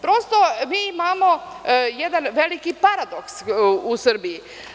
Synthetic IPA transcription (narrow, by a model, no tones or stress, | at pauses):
pɾost̪o̞miːimaːmo̞ | jed̪anʋelikipaɾad̪oksusr̩biji